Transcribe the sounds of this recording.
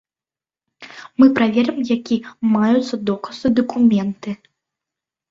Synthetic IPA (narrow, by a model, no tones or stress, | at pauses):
mɨpɾavʲɛɾɨmjakʲimajut̪sːɐd̪ɔkɐsɨd̪ɐkumʲɛnt̪ɨ